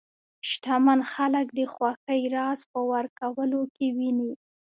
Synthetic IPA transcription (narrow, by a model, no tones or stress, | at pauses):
ʃt̪amanxaləkd̪əxwɑxəjɾɑzpəwaɾkawəlokewini